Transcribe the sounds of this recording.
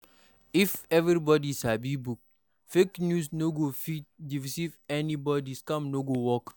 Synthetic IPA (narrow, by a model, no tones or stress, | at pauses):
ifɛvɾibɔdisabibuk̚ | feknjusnoɡofit̚divisivɛnibɔdiskãmnoɡowɔk